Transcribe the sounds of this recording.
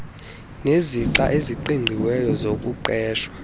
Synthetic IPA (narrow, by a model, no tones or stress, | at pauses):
neziǁa̰ʔeziǃiŋʱiwɛjɔzok̬ʼuǃɛːʃwa